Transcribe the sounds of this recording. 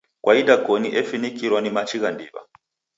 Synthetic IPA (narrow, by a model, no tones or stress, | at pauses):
kwʔaidakɔniʔɛfinikiɾwanimat͡ʃiɣandiβa̰